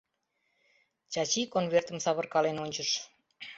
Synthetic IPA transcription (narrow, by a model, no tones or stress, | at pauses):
t͡ɕɑt͡ɕikonβert̪əmsɑβərkɑlenonʲt͡ɕəʃ